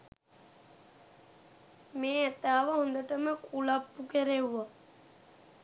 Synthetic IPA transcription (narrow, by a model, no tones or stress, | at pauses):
meːɛt̪aːʋəɦũnd̪əʈəməkʼulapːukeɾeɦuʋa